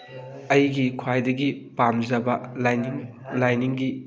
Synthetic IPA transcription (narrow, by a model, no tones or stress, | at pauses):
ɐjɡikʰwajdɐɡipamd͡ʒɐbɐlaŋ | lajniŋɡi